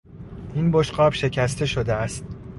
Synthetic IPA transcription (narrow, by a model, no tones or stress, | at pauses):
ʔinboʃɢɒːbʃe̞cʰæst̪ʰe̞ʃod̪eæst̪̚